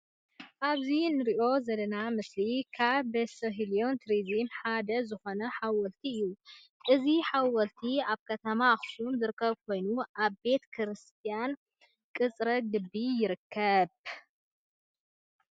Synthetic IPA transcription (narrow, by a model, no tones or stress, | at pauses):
ʔaβzinɨɾiʔo̞zɐd̪ɐnamɨslikʰaβːɐsɐɦilio̞nt̪ʰɾizimħad̪ɐzɨxo̞nɐħawɔlt̪ʰiɨjːu | ʔɨziħawɐlt̪ʰiaβkʰɐt̪ʰɐmaxsumzɨɾɨkːɐβkʰo̞jnuʔaβbe̞t̪kʰɨɾɨst̪ʰijan | kʼɨt͡sʼɾɐɡɨbːijɪɾɨkʰːɐβ